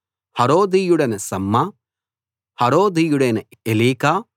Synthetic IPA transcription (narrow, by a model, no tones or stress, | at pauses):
hɐɾoːd̪ijuɽɐnɐsɐmːɐ | hɐɾoːd̪ijuɽenɐeliːkaː